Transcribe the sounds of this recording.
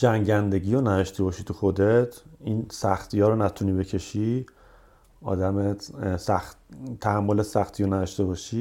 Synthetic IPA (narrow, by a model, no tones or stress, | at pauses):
d͡ʒæŋɟænd̪eɟiːjonæd̪ɒʃt̪ʰebɒːʃit̪ʰuxo̞d̪et̪ʰinsæxt̪ʰijɒːɾonæt̪ʰuniːbecʰe̞ʃi | ɒ̰ːd̪æmet̪sæxt̪ʰæhæmːolet̪sæxt̪ʰijonæd̪ɒʃt̪e̞bɒːʃi